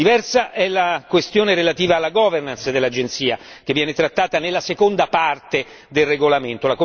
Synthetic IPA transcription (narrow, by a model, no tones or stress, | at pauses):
ivɛrsaʔɛlakwest̪joːneɾelat̪iːvaːlːaɡɔːvernansd̪elːad͡ʒent̪siːa | k̟evːjɛːnet̪ɾat̪ːaːt̪anelːasekond̪apart̪e | d̪elreɡolament̪olako